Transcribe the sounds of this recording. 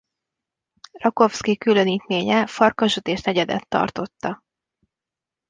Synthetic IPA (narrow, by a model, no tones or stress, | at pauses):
rɒko̞fskikyløniːt̪meːɲɛfɒrkɒʒøt̪eːʃnɛɟɛd̪ɛ̰t̪ːɒ̰rt̪o̞t̪ːɒ